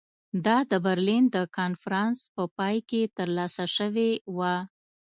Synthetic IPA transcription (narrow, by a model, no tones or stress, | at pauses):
d̪ɑd̪əbaɾlind̪əkɑnfaɾɑnspəpɑjket̪əɾlɑsaʃəwewa